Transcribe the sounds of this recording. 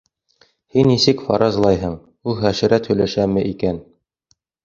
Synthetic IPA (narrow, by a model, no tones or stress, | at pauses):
hinːisɘkfɑ̰ɾɑzlˠɑjɦɤɴ | ulˠχæʃɘ̆ɾæt̪hɵ̆jlæʃæmɘʔikæn